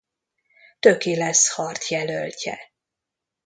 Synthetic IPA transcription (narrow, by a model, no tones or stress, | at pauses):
t̪økilɛshɒrt̪ʰjɛlølcɛ̰